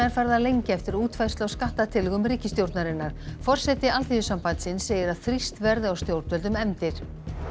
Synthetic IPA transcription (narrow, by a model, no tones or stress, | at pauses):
aɪɾfaɾðalejɲcɪɛft̪ɪɾuːt̪fajst̪lawskaht̪at̪ʰɪlɣʏmriːcɪst̪jowɾt̪naɾɪnːaɾ̥fɔr̥sɛt̪ɪalt̪ʰiːvʏsampajt̪sɪnseːjɪɾaðθɾist̪vɛɾðʏawst̪jowɾt̪vɛlt̪ʏmɛmt̪ɪɾ̥